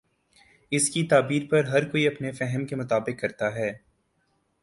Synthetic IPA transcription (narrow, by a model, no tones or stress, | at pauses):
ɪskit̪aːbiːɾpɐɾɦɐɾkoːiɐpnefɛɦəmkemʊt̪aːbɪqːɐɾt̪aɦɛː